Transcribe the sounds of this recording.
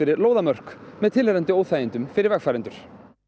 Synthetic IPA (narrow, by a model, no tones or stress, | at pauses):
ɪɾɪɾloːwðamœr̥kmɛðt̪ʰɪlhɛɾɛnt̪ʏoːwθajɪnt̪ʏmfɪɾɪɾvɛxfaːɾɛnt̪ʏɾ̥